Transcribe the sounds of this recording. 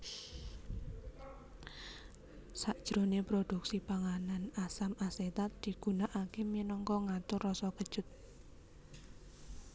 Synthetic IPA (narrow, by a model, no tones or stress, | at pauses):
saʔd̥ʒ̥ɾonepɾod̪̥uksipaŋananasamʔaset̪at̪̚d̪̥i̤ɡ̥unaʔakeminɔŋkɔŋat̪ʊrɔsɔkəd̥ʒ̥ʊt̪̚